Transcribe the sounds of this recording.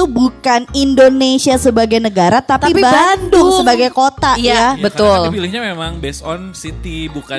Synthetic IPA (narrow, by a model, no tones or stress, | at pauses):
ubukanindonesiasəbaɡajnəɡaɾat̪apaipibandʊŋsəbaɡajkot̪ajjabət̪ʊlpilɪhɲamemaŋbɛsɔnsit̪ibuka